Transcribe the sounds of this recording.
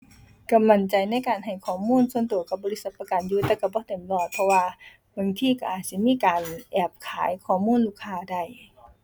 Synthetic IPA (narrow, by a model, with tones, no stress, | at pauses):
ka˧˩mːa˧˩nt͡ɕa˨˩jna˧˥˨jkaː˨˩nɦa˨˩jkʰɔː˧˩muː˧˥˨nsu˧˥ə˨nt̪u˨˩əka˧˩bɔː˧˨li˦˥t̚sa˧t̪̚pa˧ka˨njuː˧t̪ɛː˧wka˧˩bɔː˧˦t̪e˨˩˦mlɔː˧˩t̪̚pʰɔ˧waː˧ | ba˧˨ŋt̪ʰiː˧˨ka˧˩ʔaː˨˩t̪̚si˧˦miː˧˥˨kaː˨nʔɛː˧˩p̚kʰaː˨˦jkʰɔː˧˩muː˧˥˨nluː˧˥˨kʰːaː˧˨da˧˩˨j